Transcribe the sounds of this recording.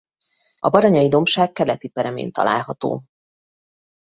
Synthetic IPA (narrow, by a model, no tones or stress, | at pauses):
ɒ̰bɒɾɒɲɒjid̪o̞mʃaːkːɛlɛt̪ipɛɾɛmḛːnt̪ɒ̰lʔa̰ːlɦɒt̪o̰ː